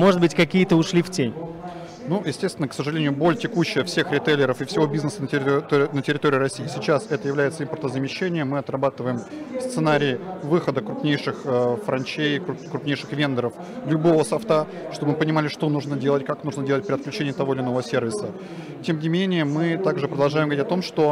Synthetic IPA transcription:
moʐɨd̪bɨtʲkɐkʲijət̪əʊʂlʲiftʲenʲ | nujɪsʲtʲest̪vɪnəksəʐɨlʲenʲɪjʊbo̞lʲtʲɪkuɕːɪjəfsʲe̞xɾʲɪt̪elʲɪɾəfɪfsʲɪvo̞bʲiznəsənətʲt̪ʲnətʲɪɾʲɪt̪o̞ɾʲɪiːɾɐsʲːiːsʲɪt͡ɕasɛt̪əjɪvlʲæjɪt̪səimpərt̪əzəmʲɪɕːenʲɪjəmɨɐt̪rɐbat̪ɨvəjɪmfst̪sɨnaɾʲɪjɪvɨxəd̪əkɾʊpnʲejʂɨxəfɾɐnʲt͡ɕejkkɾʊpnʲejʂɨxvʲe̞nd̪əɾəf | lʲʊbo̞vəsɐft̪a | ʂt̪o̞bəmɨpənʲɪmalʲɪʂt̪o̞nuʐnədʲe̞lˠətʲkaknuʐnədʲelˠət̚ʲpɾʲɪɐt̪̚klʲʉt͡ɕenʲɪjɪt̪ɐvo̞ɪlʲɪno̞vəvəsʲervʲɪsə | tʲe̞mnʲɪmʲenʲɪjəmɨt̪aɡʐɨpɾəd̪ɐlˠʐajɪmɡəvɾʲitʲɐt̪o̞mʂt̪o

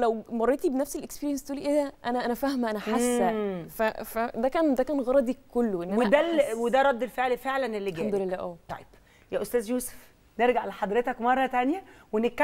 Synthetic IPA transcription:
læwmɑrˤːet̪ibenæfselʔekspiːɾjænst̪ʔuːliʔeːd̪æʔænæʔænæfæhmæʔænæħasːæfæfæd̪ækæːnd̪ækæːnɣɑɾˤɑd̪ikːolːoʔenːʔwed̪ælwed̪æɾˤɑd̪ːelfeʕlfeʕlænelːiɡænd̪olelːæʔæːt̪ˤɑ̰jeb̥ | jæːʔost̪æːzjuːse̥f | neɾɡaʕleħɑd̪ɾet̪ækmɑrˤːɑt̪ænjæwenekːæ

